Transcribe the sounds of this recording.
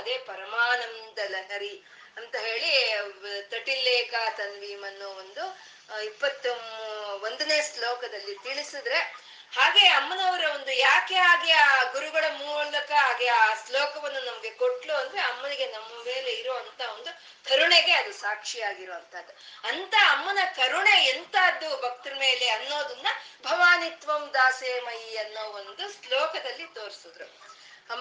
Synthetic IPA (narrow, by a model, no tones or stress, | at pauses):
ɐd̪e̞ːpɐɾɐmaːnɐmd̪ɐlɐɦɐɾi | ɐnt̪ɐɦe̞ːɭi | t̪ɐʈilːeːkɐt̪ɐnʋiːmɐnːuond̪u | ipːɐt̪ːomʋond̪ɐne̞ːslɔːkɐd̪ɐlːit̪iɭisid̪ɾe̞ | haːɡe̞ːɐmːɐnɐʋɐɾɐo̞nd̪ujaːke̞aːkeaːɡuɾuɡɐɭɐmuːɭɐkɐɦaːɡeaːslɔːkɐʋɐnːunɐmɐɡe̞koʈluɐnd̪ɾeɐmːɐniɡe̞nɐmːɐme̞ːleiɾoːʋɐnt̪ʰao̞nd̪u | kɐɾuɳeɡe̞ɐd̪usaːkʂijaːɡiɾoːɐnt̪ʰɐːd̪ːuɐnt̪ɐɐmːɐnɐkɐɾuɳe̞ːnt̪ʰaɐd̪ubʱɐk̚t̪ɐɾɐme̞ːle̞ɐnːo̞ːd̪ɐnːɐbʱɐʋaːnit̪ʋɐmd̪aːseːmɐjiɐnːoːɐond̪uslɔːkɐd̪ɐlːit̪o̞ːɾisud̪ɾe | ɐm